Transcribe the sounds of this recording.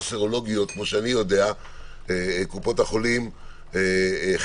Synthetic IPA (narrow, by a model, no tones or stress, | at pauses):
seʁo̞lo̞ɡijo̞t̪̚kmoʃeanijo̞dea | ekupo̞thaχo̞lim | e